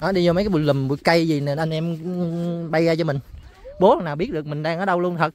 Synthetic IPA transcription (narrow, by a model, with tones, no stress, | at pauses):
ʔaː˨˦ɗi˧zo˧mə˨˦kaː˨˦ɓṵ˧˩jli˨˩mɓṵ˧˩˦jkə˧jzi˨˩ne˨˩nʔa˧ŋ̟ʔɛ˧m | ɓa˧jɣaː˧t͡ɕɔ˧mï˩ŋ̟ɓo˨˦ha˨˩ŋnaː˨˩wɓi˦˥ət̚ɗəkmï˨˩ŋ̟ɗaː˧ŋʔəː˨˩ɗə˧wlu˧ənt̪ʰə˨˩t̚